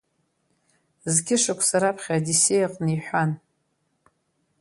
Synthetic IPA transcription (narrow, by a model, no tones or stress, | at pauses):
zɡʲɪʂakʷʰsaɾapʰχʲaadisejqʼniħʷan